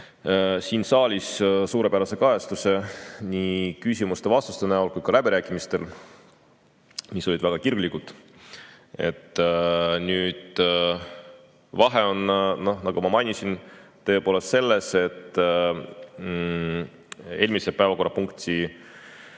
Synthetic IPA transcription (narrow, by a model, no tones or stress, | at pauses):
siːnsɑːlʲissuːɾe̞pæɾɑse̞kɑjeɑst̪use̞nʲikysʲimust̪e̞vɑst̪ust̪enæulkujd̥̪kɑlæbiɾæːkːˑimist̪e̞̰l | miso̞lid̪væɡ̥ɑkirɡlikut̪ | e̞̰t̪ːnyːd̪̥ | vɑɦeo̞nno̞hnɑɡ̥umɑmɑjnʲisint̪ːɤ̞ːpoːle̞st̪se̞lːe̞se̞t̪ː | e̞ːlʲmise̞pæevɑko̞rːɑpuŋkt̪ʲi